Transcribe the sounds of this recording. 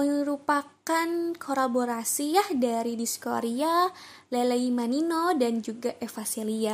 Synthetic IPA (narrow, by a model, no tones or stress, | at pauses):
əɾupakankʰolaboɾasiahdaɾidisko̰ɾialeleimaninodand͡ʒuɡaʔefaselia